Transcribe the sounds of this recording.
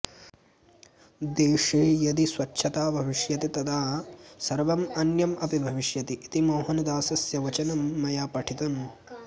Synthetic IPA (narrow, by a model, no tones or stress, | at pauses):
d̪eːʂijɐd̪iswɐt͡ʃːʃʰɐt̪aːbʱɐʋiʂjɐt̪it̪ɐd̪ʰaːsɐɾʋɐmɐnjɐmɐpibʱɐʋiʂjɐt̪iʔːt̪imoːɦɐnɐd̪aːsɐsjɐʋɐt͡ʃɐnɐmːɐjaːpɐʈʰit̪ɐn